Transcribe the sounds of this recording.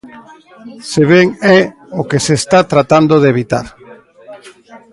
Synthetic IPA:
seβɛŋɛ | okesest̪at̪ɾat̪and̪oðeβ̞it̪a̰ɾ

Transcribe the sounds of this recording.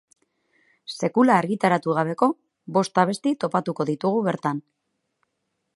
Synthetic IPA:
se̞kulaːɾɣit̪aɾat̪uɣ̞aβ̞e̞ko̞ | βo̞st̪aβ̞e̞st̪it̪o̞pat̪uko̞ðit̪uɣ̞uβe̞ɾt̪an

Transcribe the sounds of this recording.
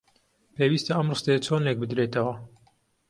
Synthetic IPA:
pewist̪ɐɐmrɨst̪eɐt͡sʰonlek̚bɨd̪ɾet̪ɐwɐ

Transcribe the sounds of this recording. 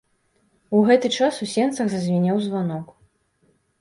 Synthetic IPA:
uɣɛt̪ɨt͡ʂasusʲɛnt̪sɐɣzɐzʲvʲɛnʲawzvanɔk

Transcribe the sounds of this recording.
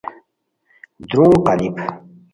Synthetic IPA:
d̪ɾõːqalik

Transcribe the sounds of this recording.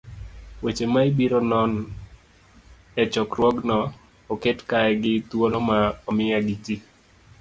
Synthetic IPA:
wet͡ʃemaibiɾonɔn | ɛt͡ʃɔkɾwɔɡnɔː | ketkaɛɡɪt̪wolɔmaɔmɪaɡiti

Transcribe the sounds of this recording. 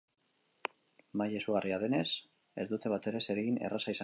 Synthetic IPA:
maje̞suɣariað̞e̞ne̞s | e̞zd̪ut̪e̞β̞at̪e̞ɾe̞se̞ɾeɣine̞̰rasaisa

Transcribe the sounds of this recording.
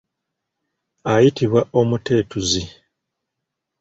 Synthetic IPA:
ajitiβwaʔo̞mute̞ːtuzi

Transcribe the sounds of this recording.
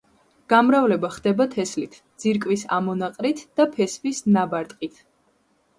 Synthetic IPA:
ɡ̥amɾavlɛbaχd̪ɛbat̪ʰɛslit̪ʰd̪z̥iɾkʼwisa̰mɔnaqʼɾit̪ʰd̪̥apʰɛsvisnabaɾt̪ʼqʼit̪ʰ

